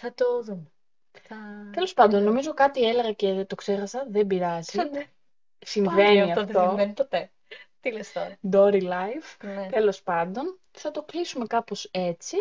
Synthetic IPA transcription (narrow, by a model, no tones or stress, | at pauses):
θɐt̪oðume | θɐt̪e̞lo̞spɐnd̪o̞nːo̞mizo̞kɐt̪ieleɣɐce̞t̪o̞kse̞xɐsɐðe̞mbiɾɐzie | simveniiɐft̪o̞epot̪e | t̪ilest̪o̰ɾɐd̪o̞ɾilɐjfnt̪e̞lo̞spɐnd̪o̞n | θɐt̪o̞klisume̞kɐpo̞se̞t͡si